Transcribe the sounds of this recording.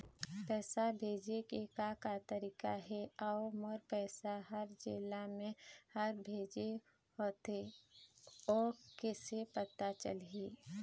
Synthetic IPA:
pɛːsabʱeːd͡ʒekekakat̪əɾiːkaɦɛaomɔɾpɛːsaɦəɾd͡ʒeːlamẽhəɾbʱeːd͡ʒe | ɦoːt̪e | ɔːɾkeːsepət̪at͡ʃə̰lɦiː

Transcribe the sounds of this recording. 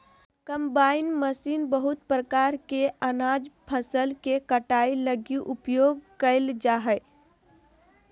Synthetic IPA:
kəmbaːɪnməsiːnbəɦʊt̪̚pɾəkaːɾkeənad͡ʒpʰəsəlkekəʈailəɡiʔʊpjoːɡkəɪld͡ʒaːɦə

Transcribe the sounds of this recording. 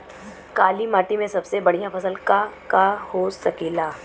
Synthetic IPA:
kaliːmaʈimesəbsebəɳ̤̃ijafəsəlkakahosəkila

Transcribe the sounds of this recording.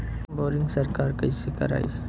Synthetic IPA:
boːɾɪ̃ŋɡsɐɾkaːɾkɐisekɐ̰ɾa̰ːḭ

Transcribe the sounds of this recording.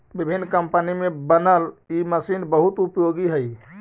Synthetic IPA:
bɪbʱɪnːkəmpənimẽbənəliməsiːnbəɦʊt̪ʊpjoːɡiɦɛi

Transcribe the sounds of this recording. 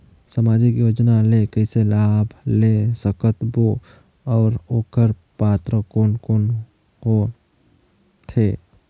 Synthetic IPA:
samaːd͡ʒɪkjoːd͡ʒnalekəɪselabʱlesəkət̪bo | ɔːɾoːkəɾ | paːt̪ɾəkoːnkon | ko | t̪ʰe

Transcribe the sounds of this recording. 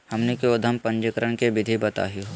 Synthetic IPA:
hɐmnekeʊd̪ʱəmpɐ̃ɲd͡ʒəkəɾəɳkeʋɪd̪ʱibɐt̪a̰ːɦijo

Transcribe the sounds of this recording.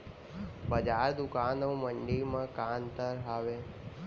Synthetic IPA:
bəd͡ʒaɾd̪ʊkanõməɳɖiɾmãkant̪əɾɦaʋe

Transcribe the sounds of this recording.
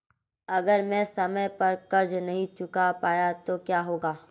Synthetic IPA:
ɐɡəɾmɛ̃ːsɐməjpɐɾkɐɾd͡ʒnɐɦĩt͡ʃʊkapaːjat̪okjaːɦoːɡaː

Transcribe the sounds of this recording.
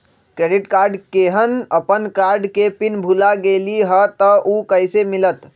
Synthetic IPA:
kɾeɖiʈkaɾɖkeɦənəpənkaɾɖkepinbʱulaɡeliɦət̪əʔukəjsemilət̪

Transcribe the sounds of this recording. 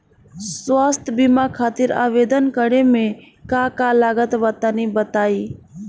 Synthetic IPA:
sʋaːst̪ʰbɪmakʰaːt̪ɪɾa̰ːʋeːd̪ənkəɽemẽ | kaːkaːlaːɡət̪ʋət̪ənibət̪aːiː

